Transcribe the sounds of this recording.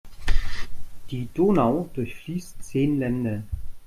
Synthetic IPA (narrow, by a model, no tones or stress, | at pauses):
d̥iːd̥oːnaʊd̥ʊɐçfliːstt͡seːnlɛndə